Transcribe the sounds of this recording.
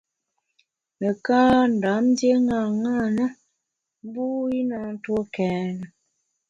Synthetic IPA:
nə˨ka˦n̩˨da˨˦m˦dje˦ŋa˨ŋa˦˨nə˦ | m˦bu˦i˦na˦n̩˦to˦kɛː˨˦nə˨

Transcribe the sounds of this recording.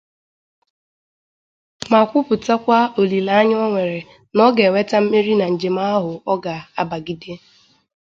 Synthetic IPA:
ma˨kʷʊ˦pʊ˨ta˦kʷa˦o˨li˨la˦a˦ɲ˦ɔ˦ŋʷe˨ɾe˨ | nɔ˦ɡe˨we˦ta˦m̩˦me˦ɾi˦na˨n̩˨d͡ʒe˨ma˦ɦʊ˨ɔ˦ɡa˨a˦ba˨ɡi˦de˦

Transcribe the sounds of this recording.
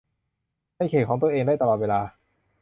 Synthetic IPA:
ha˥˩jkʰeː˨˩kʰɔ˩˦t̪əʔeː˧ŋdaː˥˩jt̪a˧lɔː˨˩t̪weː˧laː˧

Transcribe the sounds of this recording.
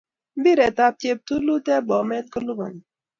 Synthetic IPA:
bi˦ɾɛ˨ta˦p̚t͡ʃe˦p̚t̪u˦lu˦t̪ɛ˦bɔ˨mɛ˦t̪̚ko˦lu˦ba̰˨ni˨

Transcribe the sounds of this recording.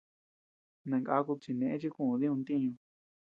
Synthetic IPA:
nã˨ŋka˧˦˧ku˧t͡ʃi˧nẽ˨ʔẽ˦t͡ʃi˦kũ˦˨˧ði˦ũ˧nt̪ĩ˦ɲũ˧

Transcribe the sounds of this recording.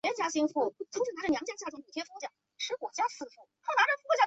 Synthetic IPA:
ɛ˧˥t͡ɕja˥ɕi˥ŋfu˥˩˥t͡sʰŋʈ͡ʂ̩̪˥˩a˧˥ʈ͡ʂə˥˩njɑ˧˥ŋt͡ɕja˥t͡ɕja˥˩ʈ͡ʂʊ˥˩pu˨˩t̪ʰjɛ˥ft͡ɕja˥˩ | ʈ͡ʂʰɻ̩˧˥kwɔ˨˩t͡ɕja˥sɹ̩˥˩fu˥˩xʰɑ˥˩ʊna˧˥ʈ͡ʂə˥˧fu˥kwɔ˧˩t͡ɕja˥˩

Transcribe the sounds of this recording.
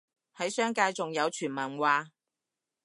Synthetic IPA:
hɐ˨˥jsœː˥ŋkaː˧jt͡sʊ˨ŋjɐ˨˧wt͡ʃʰyː˨˩nmɐ˨˩nwaː˨˧

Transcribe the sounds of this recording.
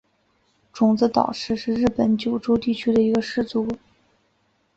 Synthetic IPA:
ʈ͡ʂʊ˨˩ŋt͡sɹ̩˥t̪ɑ̰˨˩ʊʂɻ̩˥˧ʂɻ̩˥˧ɻɻ̩˥˩pə˧˥nt͡ɕjo˨˩ʊʈ͡ʂo˥ʊt̪i˥˩t͡ɕʰy˥d̪ə˨i˧˥ɡə˧ʂɻ̩˥˩t͡su˧˥

